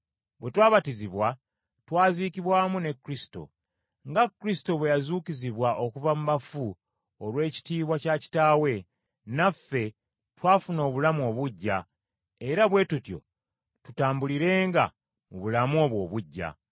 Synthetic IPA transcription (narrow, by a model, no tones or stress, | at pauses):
βwe̞twaːβatiziβwa | twaːziːkiβwaːmune̞kːɾisi̥to̞̰ | ŋɡakɾisi̥to̞βwe̞jazuːkiziβwaʔo̞kuvamuβafu | olwe̞ːci̥tiːβwacaci̥taːwe̞ | nafːe̞ | twaːfuno̞ːβulamuo̞βuɟːa | eɾaβwe̞tutjo̞̰ | tutaːmbuliɾe̞ːŋɡa̰ | muβulamo̞ːβwo̞̰ːβuɟːa̰